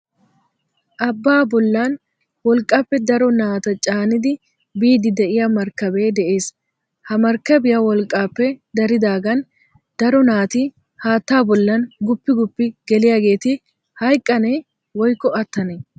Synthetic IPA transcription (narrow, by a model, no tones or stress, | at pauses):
ʔɐbːaːbɔlːan | wɔlkʼːaːpːɛd̪ɐɾɔnaːt̪ɐt͡ʃʼaːnɪd̪ɪ | biːd̪ɪd̪ɛʔɪjɐmɐɾkːɐbe̞ːd̪ɛʔe̞ːs | hɐmɐɾkːɐbɪjawɔlkʼːaːpːɛd̪ɐɾɪd̪aːɡɐn | d̪̥ɐɾɔnaːt̪ɪ | haːt̪ːaːbɔlːɐnɡʊpːɪɡʊpːɪɡɛlɪjaːɡe̞ːt̪ɪ | hɐjkʼːɐne | wɔjkːɔɐt̪ːɐnɛ